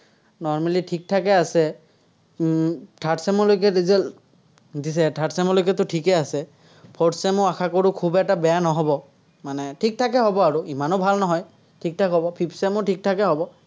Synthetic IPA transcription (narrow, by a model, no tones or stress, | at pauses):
nɔɹmalitʰik̚tʰakɛasɛ | tʰatsɛmɔlojkɛdizɛl | disɛtʰatsɛmɔlojk̬ɛtʊtʰikɛasɛ | pʰɔtsɛmʊakʰakoɹukʰubɛtabɛjanɔɦɔbɔ | manɛtʰik̚tʰakɛɦɔbɔaɹuimanɔbʱalnɔɦɔj | tʰik̚tʰakɦɔbɔpʰipsɛmʊtʰik̚tʰakɛɦɔbɔ